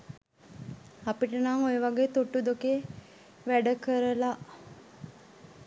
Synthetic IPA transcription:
apiʈənaŋojəʋaɡeːt̪uʈːud̪uke | ʋæɖəkəɾəlaʔ

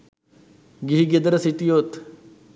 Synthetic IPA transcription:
ɡiɦiɡed̪ɾɐsiʈ̪ijot̪

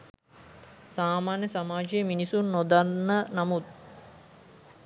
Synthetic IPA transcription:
saːmaːnjəsamaːd͡ʒijəminisunːod̪anːənamut̪̚

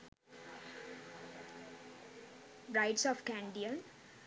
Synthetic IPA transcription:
ɾaɪʈsɔːfkæ̃ɳɖiə̃n

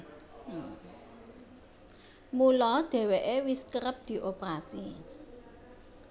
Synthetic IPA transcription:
mulɔd̪̥e̤weʔewiskəɾəp̚d̪̥i̤ʔopɾasi

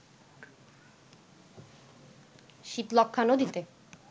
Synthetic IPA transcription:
ʃit̪lɔkʰːanod̪it̪e

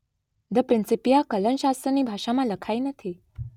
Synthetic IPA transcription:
d̪əpɾinsipijakələnɕast̪ɾəniːbʱaʂamaləkʰainət̪ʰi

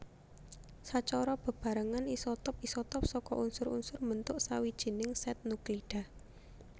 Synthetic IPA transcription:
sat͡ʃɔɾɔb̥ə̤b̥ä̤ɾəŋanisɔt̪ɔp̚isɔt̪ɔp̚sɔkɔ̰ʔunsʊɾṵnsʊrmənt̪ʊʔsawid̥ʒ̥i̤nɪŋsɛt̪̚nukliɖ̥a̤h

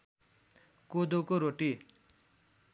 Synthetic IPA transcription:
kod̪okoɾoʈi

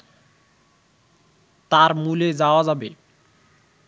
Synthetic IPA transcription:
t̪aɾmuled͡zaoad͡zabe

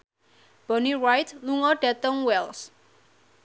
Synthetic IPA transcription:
b̥ɔniɹajt̪luŋɔɖ̥a̤t̪əŋwɛls

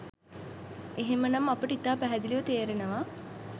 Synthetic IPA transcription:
eɦemənɐmapəʈəit̪aːpæɦæd̪iliʋət̪eːɾenəʋaː

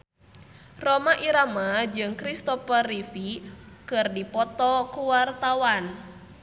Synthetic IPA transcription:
romaʔiɾamad͡ʒɨŋkɾist̪ɔfərifikɨrdipɔt̪ɔkuwart̪awan

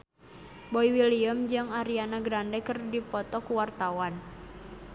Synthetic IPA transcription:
boiwiliəmd͡ʒɨŋaɾianaɡɾandɛkərdipɔt̪ɔkuwart̪awan

